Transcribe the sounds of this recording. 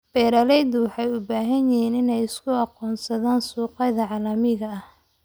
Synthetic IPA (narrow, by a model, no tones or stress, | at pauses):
b̥ɛːɾɐlɛjd̪ʊwɑħɑjʊbaːɦɐnjɪɦiːnɪnɛjɪskʰʊɑqɔːnsɐðaːnsuːqɑjðɐʕɑːlɐmɪɣɐɐh